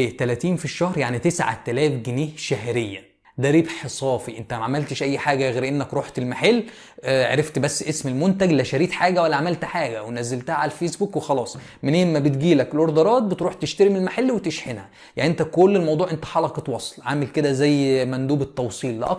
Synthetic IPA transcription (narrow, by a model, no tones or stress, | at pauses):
eːt̪ælæt̪iːnfiʃːɑhɾˤjaʕnit̪esʕa̰t̪ælæːfɡeniːhʃæhɾejːæ | d̪æɾiːbħesˤɑːfiʔent̪æmæʕamælt̪eʃʔæjːħaːɡæɣeːɾʔenːækɾˤoːħt̪elmaħelː | ʕḛɾeft̪bæsːʔesmelmont̪æɡlæʃæɾiːt̪ħaːɡæwælːæʕamælt̪ħaːɡæwenæzælt̪æhæʕalælfeːsbuːkwexɑlɑːsˤmenehemːæbet̪ɡiːlækelʔoɾd̪ɑɾˤɑːt̪̚bet̪ɾuːħt̪eʃt̪æɾemelmaħelːwet̪eʃħenhæ | jaʕnʔent̪ækolːelmɑwd̪ˤuːʕʔent̪æ̥ħɑlɑqet̪wɑsˤe̥lʕaːmelked̪æzæjːmænd̪uːbet̪ːɑwsˤiːlːḛʔɑ̰